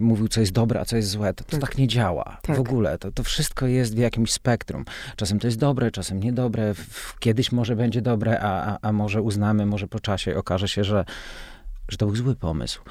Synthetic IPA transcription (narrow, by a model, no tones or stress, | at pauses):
muvʲiwt̪sɔjɛst̪d̪ɔbɾɛ̰ʔa̰sɔjɛst̪zwɛt̪ɔ̥t̪ɔt̪akɲɛd͡ʑawa̰t̪avɔɡulɛ̰t̪ɔt̪ɔfʂɘst̪̚kɔjɛst̪vʲjakʲimɕspɛkt̪ɾṵmt͡ʂasɛmt̪ɔjɛst̪d̪ɔbɾɛt͡ʂasɛmɲɛd̪ɔbɾɛkʲjɛd̪ɘɕmɔʐɛbɛɲd͡ʑɛd̪ɔbɾɛʔaaʔamɔʐɛuznamɘmɔʐɛpɔt͡ʂaɕɛɔkaʐɛɕɛʐɛ | ʐɛt̪ɔbɘwzwɘpɔmɘ̰sw